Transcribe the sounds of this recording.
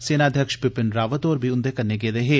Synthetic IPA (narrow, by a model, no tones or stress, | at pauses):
seːnaːd̪ʱjəkʃpɪpɪnɾaːʋət̪oːɾbʱiʊnd̪ekɐɾneɡeːd̪eːɦeː